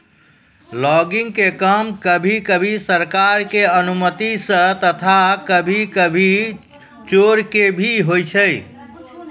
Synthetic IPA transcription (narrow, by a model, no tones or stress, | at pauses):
lɔɡiŋɡkekəmkəbʱikəbʱisəɾkaɾkeənumət̪isə̃t̪ət̪ʰakəbʱikəbʱi | t͡ʃoɾkebʱiɦojt͡ʃʰəj